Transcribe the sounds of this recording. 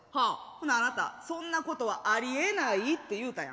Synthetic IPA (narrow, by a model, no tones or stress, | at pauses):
hakõnd̪aanat̪a̰sõ̞nːako̞t̪o̞βaʔaɾʲie̞nait̪ːe̞jɯ̟ːt̪ajã̰